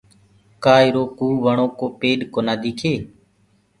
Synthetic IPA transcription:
kaːɪɾoːkuːʋəɳõːkoːpeːɗkoːnaːd̪iːkʰeː

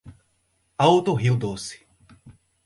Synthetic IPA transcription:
aowt̪oɦiwd̪osɪ̥

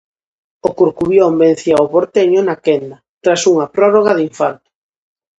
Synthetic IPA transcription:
okuɾkuβjomben̟θiaoβoɾt̪eɲʊnakɛnd̪ɐt̪ɾasuŋɐpɾɔroɣ̞aðiɱfaɾt̪o̥

